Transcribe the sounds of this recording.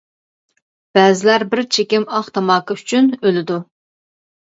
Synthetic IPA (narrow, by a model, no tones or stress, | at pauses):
b̥ɛːzɪlæɾbɪɾt͡ʃʰekʲɪmɑχt̪ʰɑmɑːkʰəyt͡ʃʰynølɪd̪u